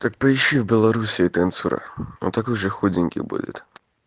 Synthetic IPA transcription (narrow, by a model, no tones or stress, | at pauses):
t̪ak̚pəɪɕːivʲbʲɪlˠɐɾusʲɪt̪ːnt̪suɾə̰no̰t̪ɐkojʐɨxudʲɪnʲkʲɪ̰bṵdʲɪ̰t̪